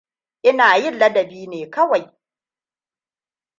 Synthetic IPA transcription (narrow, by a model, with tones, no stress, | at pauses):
ʔɪ˦naː˨jɪ˦nlːɐ˦dɐ˨biː˦neː˨kɐ˦wa˨j